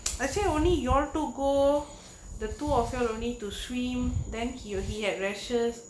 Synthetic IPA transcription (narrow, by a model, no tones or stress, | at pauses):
aseõnlijɔltuɡo | dətuɔfjɔlõnlituswĩmdɛ̃nhiɦiɦɛt̚ɹɛʃəs